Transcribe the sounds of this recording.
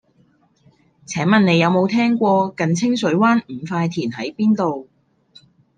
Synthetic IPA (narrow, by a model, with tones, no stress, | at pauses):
t͡sʰɛː˨˥ŋmɐ˨nne˨˧jɐ˨˧wmo˨˧wt̪ʰɛː˥ŋkʷɔː˧kɐ˨nt͡sʰɪ˥ŋsɵ˨˥ɥwaː˥nm̩ː˨˩faː˧jt̪ʰiː˨˩nɦɐ˨˥jpiː˥nt̪o˨w